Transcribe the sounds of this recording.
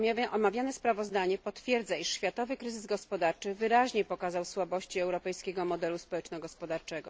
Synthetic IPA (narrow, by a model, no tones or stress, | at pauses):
ʔɔmavʲjanɛspɾavɔzd̪aɲɛpɔt̪fʲjɛɾd̪zaiʂɕfʲjat̪ɔvɘkɾɘzɘzɡɔspɔd̪aɾt͡ʂɘvɘɾaʑɲepɔkazawswabɔɕt͡ɕiɛwɾɔpɛjskʲɛɡɔmɔd̪ɛluspɔwɛt͡ʂnɔɡɔspɔd̪aɾt͡ʂɛɡɔ